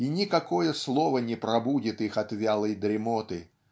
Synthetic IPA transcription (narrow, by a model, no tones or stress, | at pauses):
inʲɪkɐkojəslˠovənʲɪpɾɐbudʲɪt̪ixɐt̪vʲalˠəjd̪ɾʲɪmot̪ɨ